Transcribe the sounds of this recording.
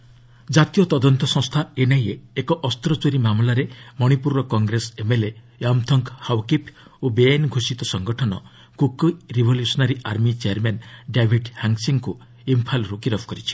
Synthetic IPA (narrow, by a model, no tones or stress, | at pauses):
d͡ʒat̪ijɔt̪ɔd̪ɔnt̪ɔsɔ̃ŋst̪ʰaenajeːkɔʔɔst̪ɾɔt͡ʃoɾimamlaɾemɔɽ̃ipuɾɔkɔŋɡɾesemele | amt̪ʰɔŋkhawkipʰ | obeanɡʱosit̪ɔsɔŋɡɔʈʰɔnɔ̰ | kukɾibʱɔljusɔnaɾiaɾmit͡ʃeaɾmanɖabʱiʈhaŋsiŋku | impʰalɾukiɾɔbʱkɔɾit͡ʃʰi̥